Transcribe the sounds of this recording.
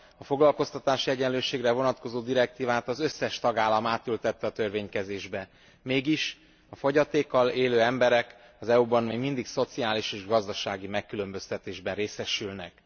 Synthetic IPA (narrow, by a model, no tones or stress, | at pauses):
ɒfo̞ɡlɒlko̞st̪ɒt̪aːʃiɛɟɛnløːʃeːɡrɛvo̞nɒt̪ko̞zoːd̪iɾɛk̚t̪iːvaːt̪ɒzø̞sːɛʃt̪ɒɡaːlːɒmaːt̪ylt̪ɛt̪ːɛɒt̪ø̞rveːɲkɛzeːʒbɛ | meːɡiʃ | ɒfo̞ɟɒt̪eːkːɒleːløːɛmbɛɾɛk | ɒzɛubɒnmeːɡmind̪ikso̞t̪siaːliʃeːʒɡɒzd̪ɒʃaːɡimɛkːylø̞mbø̞st̪ɛt̪eːʒbɛnreːsɛʃylnɛk